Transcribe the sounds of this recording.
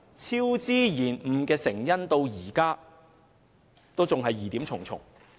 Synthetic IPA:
t͡sʰiː˥wt͡siː˥jiː˨˩nm̩˨˩kɛː˧sɪ˨˩ŋjɐ˥nt̪o˧wjiː˨˩kaː˥ | t̪o˥wt͡sʊ˨ŋɦɐ˨jːiː˨t̪iː˨˥mt͡sʰʊ˨˩ŋt͡sʰʊ̰˨˩ŋ

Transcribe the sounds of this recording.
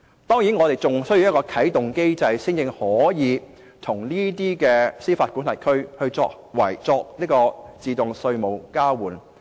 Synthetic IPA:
t̪ɔː˥ŋjiː˨˥nŋɔː˨˧t̪e˨jt͡sʊ˨ŋsɵ˥ɥji˧jɐ˥kɔː˧kʰɐ˨˥jt̪ʊ˨ŋke˥jt͡sɐ˧jsɪ˥ŋjɪ˧ŋhɔː˨˥jiː˨˧ | t̪ʰʊ˨˩ŋliː˥t̪iː˥kɛː˧siː˥faː˧t̚ku˨˥nʰɐ˨˩jkʰɵ˥ɥhɵ˧ɥt͡sɔ̰ː˧k̚ | wɐ˨˩jt͡sɔː˧k̚liː˥kɔː˧t͡siː˨˧t̪ʊ˨ŋsɵ˧ɥmo˨˩wkaː˥wuː˨˩n

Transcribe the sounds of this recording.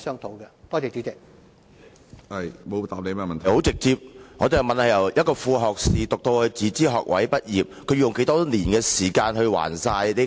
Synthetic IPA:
sœː˥ŋt̪ʰo˨˥wkɛ˧t̪ɔː˥te˨t͡ʃy˨˥t͡sɪ˨k̚ | ɐ˧jmo˨˧wt̪aː˨p̚le˨˧jmɛː˥mɐ˨nt̪ʰho˨˥wt͡sɪ˨k̚t͡siː˧p̚ŋɔː˨˧t̪e˨jmɐ˨nhɐ˨˩jɐ˨˩wjɐ˥t̚kɔː˧fuː˧ɦɔː˨˩k̚siː˨t̪ʊ˨k̚t̪o˧whɵ˧ɥt͡siː˨˥t͡siː˥ɦɔ̰ː˨k̚wɐ̰˨˥jpɐ˥t̚jiː˨˩p̚kʰɵ˨˧ɥjʊ˨ŋke˧˥jt̪ɔː˥niː˨˩nkɛː˧siː˨˩kaː˧nhɵ˧ɥwa̰ː˨˩nsaː˧jli˥

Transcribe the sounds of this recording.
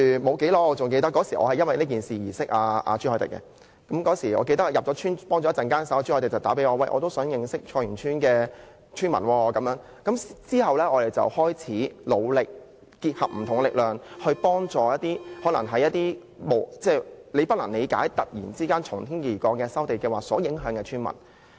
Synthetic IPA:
mo˨˧wke˨˥lɔː˨˧t͡sʊ˨ŋke˧jt̪ɐ˥kːɔː˨˧˥siː˨˩ʔɔ̰˨˧hɐ˨jɐ˥nwɐ˨jliː˥k̬iː˨˩nsiː˨jiː˨˩sɪ˥k̚ʔaː˨˧ʔa̰ː˧t͡ʃy˥hɔː˧˩t̪ɪ̰˨˩kːɛ̰˧˥ | kɐ˨˦˥mkɔː˨˥siː˨˩ɔ̰˨˧k̬e˧jt̪ɐ˥kjɐ˨p̚t͡sɔː˨˥t͡ʃʰyː˥npɔː˥ŋt͡ʃɔ˨˧˦ɐ˥t͡sɐ˨nŋkaː˥nsɐ˨˥wa˧˩t͡ʃyː˥hɔ˧t̪ɪ˨˩t͡sɐ˨wt̪aː˨˥p̬e˨˥jɔː˧wɐ̰˨jʔɔ̰˨˧t̪o˥wsœː˨˥ŋjɪ˨˧ŋsɪ˥k̚t͡ʃʰɔː˧jyː˨˩nt͡ʃʰyː˥nkɛː˧ | t͡ʃʰyː˥nmɐ̰˨˩nwɔː˧kɐ˨˥mjœː˨˥ŋ | kɐ˨˥mt͡siː˥hɐ˨wlɛː˥ɔː˧ɾe˨jt͡sɐ̰˨whɔː˥jt͡sʰiː˨˥lo̰˨˧wlɪ˨k̚ | kiː˧t̚hɐ˨p̚m̩˨˩t̪ʰʊ˨˩ŋlɪ˨k̚lœː˨ŋhɵ˧pɔː˥ŋt͡sɔː˨jɐ˥t̚t̪iː˥hɔː˨˥lɐ˨˩ŋɦɐ˨jːɐ˥t̚t̪iː˥ | mo˨˩wt͡sɛː˥˩le˨˧jpɐ˥t̚lɐ˨˩ŋne˨˧jka̰ː˨˥jt̪ɐ˨t̚jḭː˨˩nt͡siː˥kaː˥nt͡ʃʰʊ˨˩ŋt̪ʰiː˥njiː˨˩kɔː˧kːɛː˧sɐ˥wt̪e˨jkɛː˧waː˨˩sɔː˨˥jɪ˨˥ŋɦœː˨˥ŋkɛ˧t͡ʃʰyː˥nmɐ̰˨˩n

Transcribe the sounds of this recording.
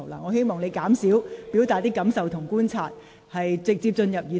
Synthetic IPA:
wla̰ː˨˧ŋɔː˨˧he˥jmɔː˨˩ŋle˨˧jkaː˨˥msiː˨˥wpi˨˥wt̪aː˨t̚t̪iː˥kɐ˨˥msɐ˨wt̪ʰʊ˨˩ŋkuː˥nt͡sʰaː˧t̚ | hɐ˨jt͡sɪ˨k̚t͡siː˧p̚t͡ʃɵ˧njɐ˨p̚ji˨˧

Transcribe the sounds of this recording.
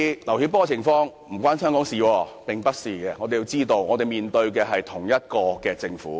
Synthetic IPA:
lɐ˨˩whi˧˥p̬ɔː˥t͡sʰɪ˨˩ŋfɔː˧ŋ | m̩˨˩kʷwʷaː˥nsœː˥ŋkɔː˨˥ŋsiː˨wɔː˧pɪ˨ŋpɐ˥t̚siː˨kɛː˧ŋɔ˨˧t̪e˨ji˧wt͡siː˥t̪o˧wŋɔː˨˧t̪e˨jmiː˨nt̪ɵ˧ɥk̬ɛː˧ɦɐ˨jt̪ʰʊ˨˩ŋjɐ˥t̚kɔː˧kɛː˧t͡sɪ˧ŋfuː˨˥

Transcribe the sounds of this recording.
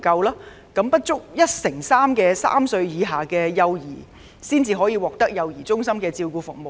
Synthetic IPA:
kɐ˧wlaː˥ | kɐ˨˥mpɐ˥t̚t͡ʃʊ˥k̚jɐ˥t̚sɪ˨˩ŋsaː˥mkɛː˧sa̰ː˥msɵ˧ɥjiː˨˧ɦaː˨kɛː˧jɐ˧wjḭː˨˩ | siː˥nt͡siː˧ɦɔː˨˥jiː˧wɔː˨k̚t̪ɐ˥k̚jɐ˧wjiː˨˩t͡sʊ˥ŋsɐ˥mkɛː˧t͡siː˧wkuː˧fʊ˨k̚mo˨

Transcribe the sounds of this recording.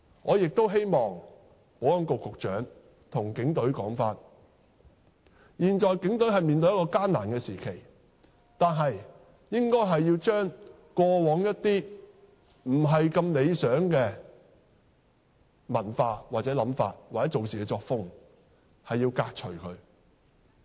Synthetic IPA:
ŋɔː˨˧jɪ˨k̚t̪o˥wɦe˥jmɔː˨ŋ | po˨˥wjɐ˨˥nkʊ˨˧kʰːʊ˨k̚t͡ʃœː˨˥ŋ | t̪ʰʊ˨˩ŋkɪ˨˥ŋt̪ɵ˨˧˥ɥkɔː˨˥ŋfaː˧t̚ | jiː˨˩nt͡ʃɔː˨˩jkɪ˨˥ŋt̪ɵ˨˥ɥɦɐ˨jmiː˨nt̪ɵ˧jɐ˥kɔː˧kaː˥nːaː˨˩nkɛː˧siː˨˩kʰe˨˩j | t̪aː˨nɦɐ˨j | jɪ˥ŋkɔː˥jɦɐ˨jːiː˧wt͡ʃœː˥ŋ | kɔː˧wɔː˨˥ŋjɐ˥t̚t̪iː˥ | m̩˨˩ɦɐ˨jkɐ˧mle˨˧jsœː˨˥ŋkɛː˧ | mɐ˨˩nfaː˧waː˨t̚t͡sɛː˨˥lɐ˨˥mfa̰ː˧t̚waː˨˩t͡sɛ˨˦˥t͡so˨ws̬iː˨˩kɛː˧t͡sɔː˧k̚fʊ˥ŋ | hɐ˨jːiː˧wkaː˧k̚t͡ʃʰɵ˨˩ɥkʰɵ˨˧˥ɥ

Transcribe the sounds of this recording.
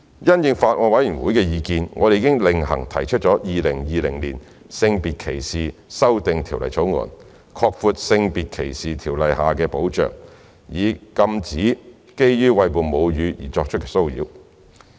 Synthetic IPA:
jɐ˥njɪ˨˧ŋfaː˧t̚ʔŋɔː˧˥wɐ˨˥jɥyː˨˩nwuː˨˥jkɛː˧jiː˨˧kiː˧nŋʔɔː˨˧de˨˧iː˧˥kɪ˥ŋlɪ˨ŋhɐ˨˩ŋt̪ʰɐ˨˩jt͡ʃʰɵ˥t̚t͡ʃɔː˨˥jiː˨lɪ˨˩ŋjiː˨˧lɪ˨˩ŋliː˨˩n | sɪ˧ŋpiː˨t̚kʰe˨˩jsiː˨sɐ˥wt̪ɪ˨ŋt̪ʰiː˨˩wlɐ̰˨˩jt͡sʰo˨˥wŋɔ̰ː˨˩n | kʰɔː˧k̚fuː˧t̚sɪ˧ŋpiː˨t̚kʰe˨˩jsiː˨t̪ʰiː˨˩wlɐ˨jhaː˨kɛː˧po˨˥wt͡ʃœ̰ː˨ŋ | jiː˨˧kɐ˧mt͡siː˨˥ | ke˥jjyː˥wɐ˧jpuː˨nmo˨˧wjyː˨˧jḭː˨˩t͡sɔː˧k̚t͡ʃʰt̚kɛː˧so˥wjḭː˨˥w

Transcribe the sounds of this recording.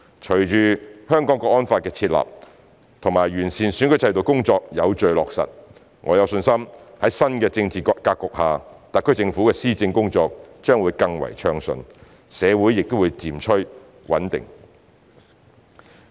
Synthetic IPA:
t͡ʃʰɵ˨˩ɥt͡ʃyː˨hœː˥ŋkɔː˨˥ŋkɔː˧kʔɔː˥nfaː˧t̚kɛː˧t͡sʰiː˧t̚la̰ː˨p̚ | t̪ʰʊ˨˩ŋmaː˨˩jɥyː˨˩nsiː˨˩nsyː˨˥nkʰɵ˧˥jt͡sʰɐ˧jt̪o˨˩wkʊ˥ŋt͡sɔː˧k̚jɐ˨˧wt͡ʃɵ˨ɥlɔ̰ː˨k̚sɐ̰˨t̚ | ŋʔɔː˨˧jɐ˨˧wsɵ˧nsɐ˥mhɐ˨˥jsɐ˥nkɛː˧t͡sɪ˧ŋt͡siː˨kɔ˧kaː˧kːʊ˨k̚haː˨t̪ɐ˨kʰːɵ˥jt͡sɪ˧ŋfuː˨˥kɛː˧siː˥t͡sɪ˧ŋkʊ˥ŋt͡ʃɔː˧k̚t͡ʃœː˥ŋwuː˨˧˥jkɐ˧ŋwɐ̰˨˩jt͡ʃʰœː˧ŋsɵ̰˧n | sɛː˨˧wuː˨˥jːɪ˨k̚t̪o˥wu˨˧jt͡siː˨˩mt͡ʃʰɵ˥ | wɐ̰˨˥nt̪ɪ̰˨ŋ

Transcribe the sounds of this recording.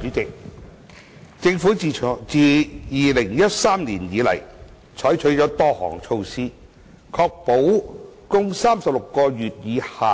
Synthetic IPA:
yː˨˥t͡sɪ˨k̚ | t͡sɪ˧ŋfuː˨˥˨t͡siː˨˩jiː˨lɪ˨˩ŋjɐ˥t̚saː˥mniː˨˩njiː˨˧lɐ̰˨˩j | t͡ʃʰɔː˨˥jt͡ʃʰɵ˨˥ɥt͡ʃɔː˨˥t̪ɔː˥hɔ̰ː˨˩ŋt͡sʰo˧wsiː˥ | kʰɔː˧k̚po˨˥wkʊ˥ŋsaː˥msɐ˨p̚lʊ˨kːɔː˧jyː˨t̚jiː˨˧haː˨

